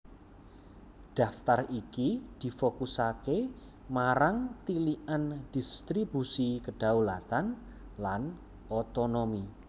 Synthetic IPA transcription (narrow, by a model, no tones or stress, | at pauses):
ɖ̥a̤ft̪arikid̪̥i̤fokusake | maɾaŋt̪iliʔand̪̥ist̪ɾibusikəɖ̥a̤wlat̪an | lan | ot̪onomi